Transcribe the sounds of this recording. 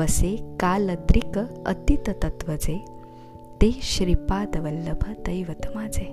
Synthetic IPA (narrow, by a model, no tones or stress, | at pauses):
əsekaːlət̪ɾikət̪it̪ət̪ət̪ʋəd͡ze | t̪eɕɾipad̪ʋəlːəbʱəd̪əjʋət̪ʰmad͡ze